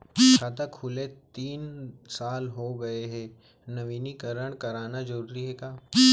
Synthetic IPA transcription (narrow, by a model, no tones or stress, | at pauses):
t͡ʃʰaːt̪ɐkʰhʊlet̪iːnsaːlɦoɡɐeɦɛ | nɐʋiːnikəɾəɽ̃kɐɾaːnad͡ʒɐɾuːɾiɦɛkaː